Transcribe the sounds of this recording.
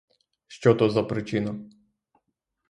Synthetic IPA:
ʃt͡ʃɔt̪ɔzɐpɾɪt͡ʃɪnʊ

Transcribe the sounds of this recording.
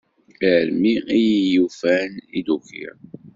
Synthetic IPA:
iʕəɾmiijijufænḭd̪ukḭɾ

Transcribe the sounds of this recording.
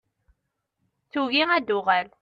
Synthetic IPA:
θuɣiæd̪ʊʁæl

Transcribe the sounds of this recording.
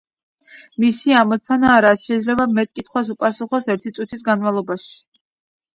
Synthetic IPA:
misiamɔt̪sʰanaːɾat̪sʃɛid̪zlɛbamɛt̪ʼkʼit̪ʰχwasupʼasuχɔsɛɾt̪ʰit̪sʼut̪ʰisɡanmalˠɔbaʃi̥i̥

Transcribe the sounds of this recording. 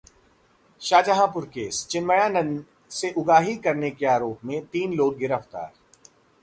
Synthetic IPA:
ʃaːd͡ʒəɦãpʊɾkeːst͡ʃɪnməjãnɐn | seʔʊɡaːɦikɐɾnekeaːɾoːpmẽt̪iːnloːɽ̚ɡɪɾəft̪a̰ːɾ

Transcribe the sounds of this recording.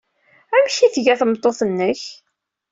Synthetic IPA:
æmçiθʝæθəmt̪ˤːoθənːəç

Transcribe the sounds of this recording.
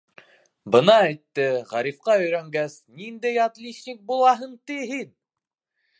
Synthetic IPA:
bɤ̆nɑæjt̪ːɘʁɑɾifqɑɵ̆jɾæŋɡæsnind̪æjɑt̪lʲiɕnʲik̚bulˠɑɦɤɴt̪iɦin

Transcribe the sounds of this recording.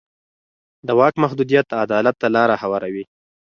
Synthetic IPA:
d̪əwɑkmahd̪ud̪ijat̪ad̪ɑlat̪ːalɑɾahawɑɾawi

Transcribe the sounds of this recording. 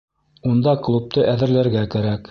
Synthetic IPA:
und̪ɑklˠup̚t̪ɤʔæðɘ̆ɾlæɾɡækæɾæk

